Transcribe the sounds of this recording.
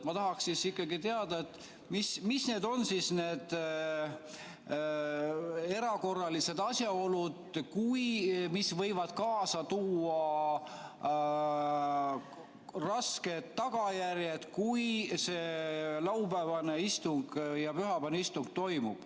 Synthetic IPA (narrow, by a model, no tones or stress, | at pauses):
mɑt̪ɑɦɑksisikːˑɑɡit̪eɑd̪ɑet̪ː | mismisne̞ːd̪o̞nsisne̞ːd̪̥ | e̞ɾɑko̞rːɑlise̞d̪̥ɑsjɑo̞lud̪̥kujmisvɤ̞jvɑd̪̥kɑːsɑt̪uːɑ | rɑske̞d̪ːɑɡ̥ɑjæɾjed̪̥kujse̞lɑwbæːvɑne̞ist̪uŋɡ̥jɑpyɦɑbɑnuist̪uŋɡ̥̚t̪o̞jmub̥